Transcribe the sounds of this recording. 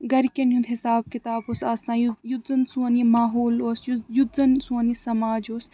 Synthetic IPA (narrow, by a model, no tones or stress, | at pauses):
ɡɐɾkɐnjũnd̪ɦɪsaːb̚kɪt̪aːboːsaːsaːnjud̪zɐnsuːnimaːɦoːloːsjʊd̪zɐnsoːnisɐmaːd͡ʒoːs